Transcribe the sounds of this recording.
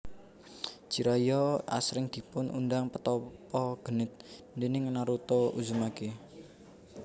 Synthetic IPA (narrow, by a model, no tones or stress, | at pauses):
d͡ʒ̥iɾajɔa̰sɾɪŋd̪̥i̤pʊnʔṵndaŋpət̪ɔpɔɡ̥ə̤nɪt̪̚ndenɪŋənaɾut̪ouzumake